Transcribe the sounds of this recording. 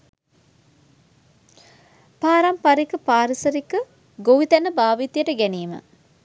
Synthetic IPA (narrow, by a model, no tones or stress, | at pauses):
paːɾampaɾikəpaːɾisəɾikə | ɡoʋit̪ɛnəbaːʋit̪ijəʈəɡæniːmə̰